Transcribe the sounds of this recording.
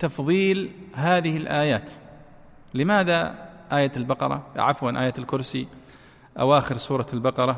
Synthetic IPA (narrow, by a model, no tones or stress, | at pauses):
t̪ɑfðˤiːlɦaːðɪhɪlʔaːjaːt̪ | lɪmaːðaʔaːjat̪ɪlbɑqɑ̰ɾˤɑ̰ʕafwanʔaːjaːt̪ɪlkʊɾsi | ʔa̰waːxɪɾsˤuːɾˤɑlbɑqɑɾˤɑ